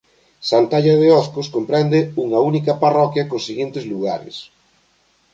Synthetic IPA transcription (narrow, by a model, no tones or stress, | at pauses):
sant̪aʎɐðeɔskʊskompɾɛnd̪ɪuŋɐunikɐparɔkjɐkosːiɣint̪ɪzluɣaɾɪ̰s